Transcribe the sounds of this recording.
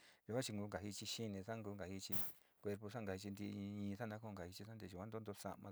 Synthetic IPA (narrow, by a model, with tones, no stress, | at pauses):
ʒu˨˧kʷã˦t͡ʃi˧ŋɡuː˧ŋɡa˨hi˧t͡ʃi˧ʃi˦nẽ˧sa˦ŋɡuː˧ŋɡa˨hi˧t͡ʃi˧ | kʷe˧ɾpo˧sa˦ŋɡa˨i˧t͡ʃi˧nd̪ḭ̃˧ɲĩː˧sa˦nã˧˦ko˦˧ŋɡa˨hi˧t͡ʃi˧sa˦nd̪e˧ʒu˨kʷã˦d̪o˦nd̪o˧sa̰˧mã˧